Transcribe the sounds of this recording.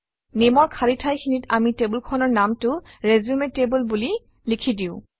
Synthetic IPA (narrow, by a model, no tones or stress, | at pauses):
nemɔɹkʰaɹitʰajkʰinitamitebulkʰɔnɔɹnamtʊɹezumetebulbuli | likʰidiʊ̃